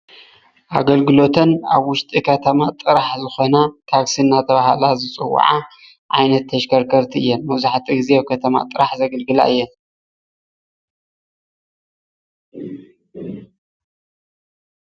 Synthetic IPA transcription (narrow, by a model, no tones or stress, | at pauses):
ʔa̰ɡɐlɡɨlo̞t̪ʰɐna̰βwʊʃt̪ʼikʰɐt̪ʰɐmat̪ʼɨɾaħzɨxo̞nat̪ʰaksinːat̪ʰɐβahalazɨt͡sʼɨw̰ːʕa | ʕajnɐt̪ʰːɐʃkʰɐɾkʰɐɾt̪ʰiɨjːɛnmɐwzaħat̪ʰiɡɨzekʰɐt̪ʰɐma̰t̪ʼɨɾaħzɐɡɐlɡɨla̰ɨjːɛn